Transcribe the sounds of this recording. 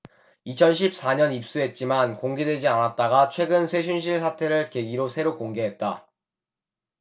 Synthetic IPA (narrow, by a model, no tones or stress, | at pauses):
it͡ɕʰʌnɕ̬ʰip̚s͈aɲʌnip̚s͈uɦe̞t̚t͡ɕ͈imankoŋɡe̞dwe̞d͡ʑianat̚t͈aɡat͡ɕʰwe̞ɡɯnsʰe̞ɕʰunɕʰiɭsʰatʰe̞ɾɯɭke̞ɡiɾosʰe̞ɾok͈oŋɡe̞ɦe̞t̚t͈a